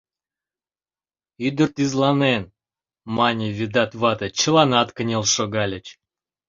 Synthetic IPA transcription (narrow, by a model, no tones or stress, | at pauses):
yd̪ərt̪izlˠɑnen | mɑnʲivʲid̪ɑt̪vɑt̪ət͡ɕəlˠɑnɑt̪kənʲelˠʃoɡɑlʲət͡ɕ